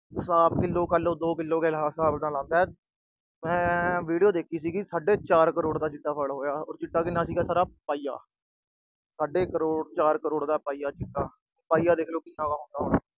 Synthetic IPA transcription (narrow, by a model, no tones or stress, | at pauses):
saːbkɪlːõːkəloːd̪oːkɪlːoːkeːlɦaːsaːbnãːlãːnd̪aːɛː | mɛ̃ːʋiːɖijoːd̪eːkʰiːsiːɡisaːɖeːt͡ʃaːɾkəɾoːɽd̪aːt͡ʃɪʈːaːpʰəlɦoːjaːɔ̰ːɾt͡ʃɪʈːaːkɪnːãːsiːɡaːsaːɾaːpaːija̰ː | saːɖeːkəɾoːɽt͡ʃaːɾkəɾoːɽd̪aːpaːiːjaːt͡ʃɪʈːaː | paːijaːd̪eːkʰloːkɪsãːkaːɦõːnd̪aːɦoːa